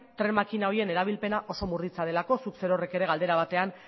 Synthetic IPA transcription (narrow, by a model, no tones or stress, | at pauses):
t̪ɾe̞makinao̞ɾie̞ne̞ɾaβ̞ilpe̞naʔo̞so̞murit͡sað̞e̞lako̞sukse̞ɾo̞re̞ke̞ɾe̞ɣald̪e̞ɾaβ̞at̪e̞an